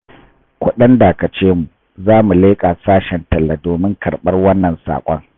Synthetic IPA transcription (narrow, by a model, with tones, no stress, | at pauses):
kʷʊ˦ɗɐ˦nda˨kɐ˨t͡ʃeː˦mu˨ | zaː˦mu˨leː˦kʼa˨saː˦ʃɛ˨ntɐ˨lːa˨doː˨mɪ˦ŋkʰɐ˨ɽɓɐ˦rwɐ˦nːɐ˨nsa̰ː˨kʷʼɔ̰˦ŋ